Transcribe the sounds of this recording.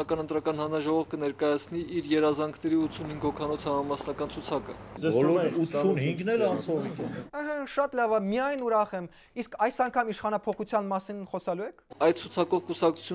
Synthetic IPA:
ɑkɑnənt̪ɾɑkɑnhɑnnɑʒɔʁɔvkənɛɾkɑjɑt͡sʰniʔiɾjɛɾɑzɑŋkʰnɛɾiut̪t͡sʰunhiŋɡhɔkʰɑnɔt͡sʰhɑmɑmɑsnɑkɑnt͡sʰut͡sʰɑkə̰ɛvɔlɔusunhiŋɡnɛlɑnsɔvikɛəɦaʃɑt̪lɑvɑmijɑjnuɾɑχɛm | iskʰɑjsɑŋkʰɑmiʃχɑnɑpʰɔχut͡sʰjɑnmɑsinχɔsɑluɛkʰɑjt̪̚t͡sʰut͡sʰɑkɔvkusɑktt͡sʰu̥t͡sʰu

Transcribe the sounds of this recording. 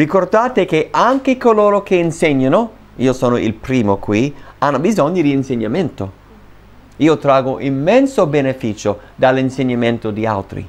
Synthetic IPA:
rikord̪aːt̪ekeʔaŋkekoloːɾok̟ʰeinseɲːano | iːosoːnoḭlpɾiːmokwianːobizoɲːod̪iːnseɲːament̪o | iːot̪ɾaːɡoʔimːɛnsobenefiːt͡ʃod̪alːinseɲːament̪od̪ia̰lt̪ɾḭ

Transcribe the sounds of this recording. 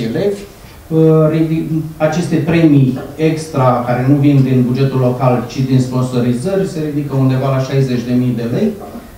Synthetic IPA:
ile̞vʲ | ərid̪iat͡ʃe̞st̪e̞pɾe̞jmie̞kst̪ɾakaɾe̞nuvind̪inbud͡ʒe̞t̪ulːo̞kalt͡ʃid̪inspo̞nso̞ɾizərʲse̞ɾid̪ikəund̪e̞valaʃajze̞t͡ʃʲd̪e̞mijd̪e̞le̞j

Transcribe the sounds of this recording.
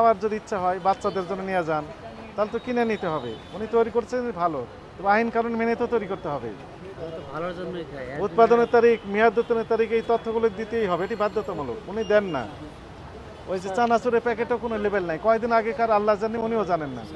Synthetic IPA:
awaɾd͡ʒod̪iitːʃʰaɦɔjbat̪ːʃad̪eɾd͡ʒonːenijad͡ʒan | t̪alt̪okinenit̪eɦɔbḛunit̪ɔjɾikoɾt͡ʃʰenbʱalo | t̪ebainkaɾonemenet̪ot̪ɔjɾikoɾt̪eɦɔbḛ | bʱalod͡ʒonːt̪ʰut̪̚pad̪ɔneɾt̪aɾikmijad̪ot̪ɔneɾt̪aɾikejt̪ɔt̪ʰːɔɡuloked̪it̪eejɦɔbeeʈibad̪ʱːɔt̪ɔmɔlo̰kunid̪ɛnːa̰ | ojset͡ʃanasuɾepɛkeʈokonolebelnaĩkɔed̪inaɡekaɾalːad͡ʒaniuniod͡ʒanenːa̰

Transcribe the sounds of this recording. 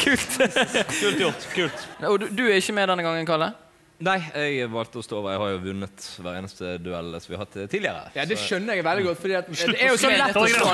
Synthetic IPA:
kʰʉːlt̪kʰʉːlt̪jʊʁt̪kʰʉːlt̪ɔd̪d̪ʉæɾɪçːəmɛːd̪ɛnːəɡɑŋːənkʰɑlːə | næɪɛɡʋɑlt̪əɔst̪oːoːəɾɛɪhɑɾjʊʋʉnːət̪ʋæːɾḛːnəst̪əd̪ʉɛ̰ləsɔmʋɪɑhɑt̪ʰːt̪ʰːiːlɪəɾə̰jɑd̪ɛʃœnːəɾɛɡʋɛld̪ɪɡɔt̪ːfɔɾd̪iːɑt̪dæɾjʊsɔlɛtː

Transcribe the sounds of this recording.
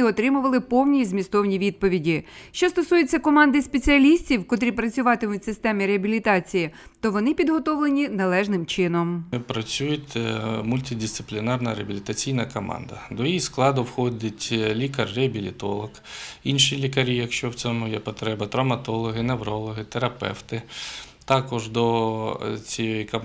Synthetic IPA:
ɪɔt̪ɾɪmʊʋɐlˠɪpɔwnʲijizmʲist̪ɔwnʲiʋʲid̪̚pɔʋʲidʲiʃt͡ʃɔst̪ɔsujet͡sʲːɐkɔmɑnd̪ɪspet͡sʲiɐlʲisʲtʲiwkɔt̪ɾʲipɾɐt͡sʲʊʋɑt̪ɪmʊtʲsɪst̪ɛmʲiɾeɐbʲilʲit̪ɑt͡sʲiji | t̪ɔʋɔnɪpʲid̪ɦɔt̪ɔʋlˠenʲinɐlˠɛʒnɪmt͡ʃɪnɔmpɾɐt͡sʲujʊtʲmʊlʲtʲidʲɪst̪sɪ̥plʲinɑrnɐɾeɐbʲilʲit̪ɐt͡sʲijnɐkɔmɑ̰nd̪ɐ̰d̪ɔjisklˠɑd̪ʊwxɔdʲɐtʲlʲikɐrːeɐbʲilʲit̪ɔlˠɔkinʃilʲikɐɾʲijɐkʃt͡ʃɔwt͡sʲɔmʊjɛpɔt̪ɾɛbɐt̪ɾɐwmɐt̪ɔlˠɔɦɪnewɾɔlˠɔɦɪt̪eɾɐpɛ̰wt̪ɪ | t̪ɑkɔʒd̪ɔ | t͡sʲijjikɐ

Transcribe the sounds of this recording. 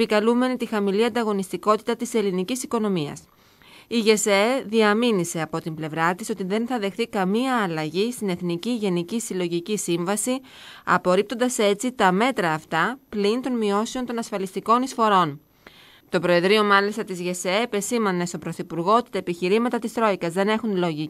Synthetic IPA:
epikɐlume̞nit̪ixɐmiliɐnd̪ɐɣo̞nist̪iko̞t̪i̥t̪ɐt̪ise̞linicisiko̞no̞miɐ̰s | iʝe̞seðiɐminise̞ɐpo̞t̪imble̞vɾɐt̪iso̞t̪iðe̞nθɐðe̞xθikɐmiɐːlɐʝist̪ine̞θniciʝe̞nicisilo̞ʝicisiɱvɐsi | ɐ̰po̞ɾip̚t̪o̞nd̪ɐse̞t͡sit̪ɐme̞t̪ɾɐːft̪ɐplint̪o̞nmio̞sio̞nt̪o̞nɐsfɐlist̪iko̞nisfo̞ɾo̞n | t̪o̞pɾo̞e̞ðɾio̞mɐlist̪ɐt̪izʝe̞sepe̞simɐne̞st̪o̞pɾo̞θipuɾɣo̞ot̪i̥t̪ɐepiçiɾimɐt̪ɐt̪ist̪ɾo̞ikɐzðe̞ne̞xunlo̞ʝi

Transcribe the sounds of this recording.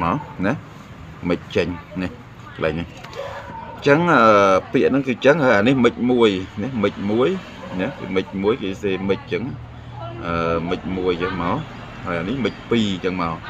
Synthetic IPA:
maɔnɛh | mɨc̚t͡ɕəɲnɛh | kəlʔa̰ɛjnih | t͡ɕəŋʔəːpiəʔnɨŋkɨːt͡ɕəŋhaːjʔaːnihmɨc̚muəjnɛhmɨc̚muəj | nɛhkḛːmɨc̚muəjkeːseːmɨc̚t͡ɕəŋ | ʔəːmɨc̚muəjt͡ɕəŋmaɔl | hajʔaːnihmɨc̚piːt͡ɕəŋmaɔ

